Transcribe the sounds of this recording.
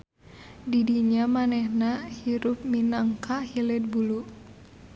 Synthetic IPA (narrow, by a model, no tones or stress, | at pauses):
didiɲamanɛhnahiɾup̚minaŋkʰahilɛd̪̚bulu